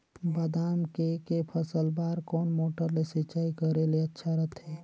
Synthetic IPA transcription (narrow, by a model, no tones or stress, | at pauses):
bəd̪aːmkekepʰəsəlbaːɾkɔːnmoːʈəɾlesɪt͡ʃaːikəɾeleətːʃʰaɾət̪ʰɦɛː